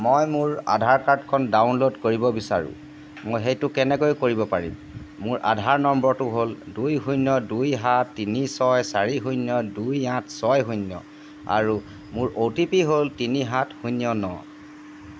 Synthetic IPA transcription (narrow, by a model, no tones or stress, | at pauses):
mojmʊɹa̰dʱaɹkaɹdkʰɔndawnlodkoɹibɔbisa̰ɹʊ̰ | mojxejtʊkɛnɛkojkoɹibɔpaɹḭmː | ʊɹʔa̰dʱaɹnɔmbɔtʊɦoldujɦujnjɔdujɦatːinisɔjsaɹiɦujnjɔdujãtsɔjɦujnjɔ̰ | a̰ɹu | mʊɹʔotipiɦoltiniɦathujnjɔnɔ̰